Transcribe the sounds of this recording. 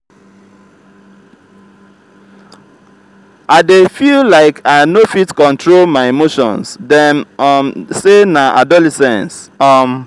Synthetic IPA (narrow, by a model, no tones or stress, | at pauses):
aɪdefillaɪkʰaɪnofitkɔ̃ntɹolmaɪemoʃɔ̰̃nsdɛ̃nʌmsenaʔadɔlɛsɛ̃ns | ʌm